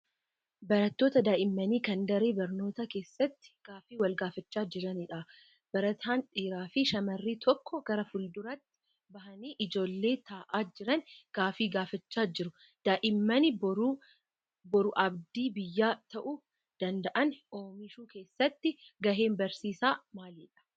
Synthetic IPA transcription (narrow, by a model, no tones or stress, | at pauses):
bɐɾɐt̪ːoːt̪ɐd̪aːʔɪmːɐniːkɐnd̪ɐɾeːbɐɾno̞ːt̪ake̞ːsːɐt̪ːɪ̥ɡ̥aːfiːwɐlɡaːfɐt͡ʃːaːd͡ʒɪɾɐniᶑɐ | b̥ɐɾɐt̪ʰaːnᶑʼiːɾaːfɪʃɐmɐrːiːt̪ʰɔkːɔɡ̥ɐɾɐfʊld̪ʊɾɐt̪ːɪ̥ | bɐɦɐniːʔɪd͡ʒo̞ːlːe̞ːt̪ʰaːʔaːd͡ʒɪɾɐnɡ̥aːfiːɡaːfɐt͡ʃːaːd͡ʒɪɾʊ | d̪̥aːʔɪmːɐnɪbɾ | bɔɾʊʔɐbd̪iːbɪjːaːt̪ɐʔʊ | d̪̥ɐnd̪ɐʔɐnoːmɪʃuːke̞ːsːɐt̪ːɪɡɐɦe̞ːmbɐɾsiːsaːmaːliːᶑɐ̥